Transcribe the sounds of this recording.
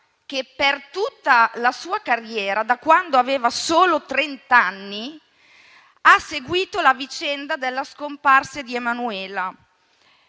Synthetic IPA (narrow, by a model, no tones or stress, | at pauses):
kepːert̪ut̪ːalasuːakarjɛːɾad̪akwand̪oaveːvasoːlot̪ɾent̪anːi | aseɡwiːt̪olavit͡ʃɛnd̪ad̪elːaskomparsed̪iemanuɛːla